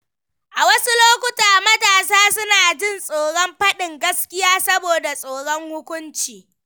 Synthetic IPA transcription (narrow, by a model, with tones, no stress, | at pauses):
ʔa˨wɐ˦su˦loː˦kʷʊ˦taː˨mɐ˦taː˨saː˦sʊ˦naː˨d͡ʒɪ˦˨nsʼoː˨ɽɔ˦mɸɐ˦ɗɪ˨ŋɡɐ˦skʲɪ˦jaː˦sɐ˦boː˨da˨sʼoː˨ɽɔ˦ŋhʊ˦kʷʊ˦nt͡ʃiː˨